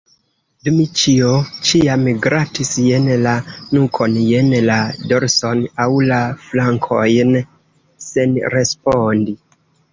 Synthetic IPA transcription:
dumit͡ʃiot͡ʃiamɡɾatisjenlanukʰonjenladoɾsonawlaflaŋkʰojn | senɾespondi

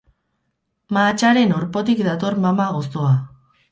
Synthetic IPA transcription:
maːt͡ʃaɾe̞no̞ɾpo̞t̪̬ikd̪at̪o̞ɾmamaɣo̞st̪oa

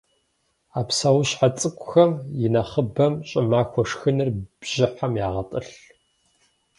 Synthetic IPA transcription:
aːpsawɕħat͡sʼɨkʷʼʊxɐmjɪnɐχəbɐmɕʼɪmaːxʷɔʂxɨnɨrb̥ʒ̥ɪħamjaːʁɐtʼɨɬ

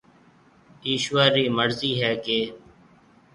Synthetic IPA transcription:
iːʃʋaːɾiːməɾziːɦɛːkeː

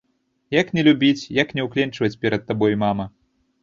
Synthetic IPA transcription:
jɐknʲɛlʲubʲit͡sʲjɐknʲɛwklʲɛnt͡ʂɨvɐt͡sʲpʲɛɾɐt̪ːabɔjimamɐ

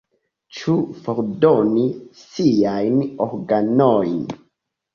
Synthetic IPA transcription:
t͡ʃufoɾdonisiajnoɾɡanojn

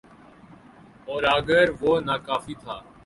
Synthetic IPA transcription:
ɔːɾaːɡəɾʋoːnaːkaːfiːt̪ʰaː

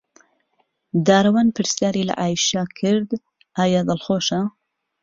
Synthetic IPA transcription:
d̪aːɾɐwaːnpʰɨɾsjaːɾiːlɐ̰ʔaːjʃakʰɪɾd̪ | ʔaːjaːd̪ɨlxoːʃɐ

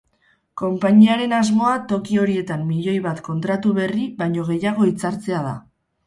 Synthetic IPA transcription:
ko̞mpaɲiaɾe̞nazmo̞at̪o̞kio̞ɾie̞t̪amːiʎo̞jβat̪ko̞nt̪ɾat̪uβe̞riβajɲo̞ɣ̞e̞jaɣ̞o̞it͡saɾt͡se̞aða̰

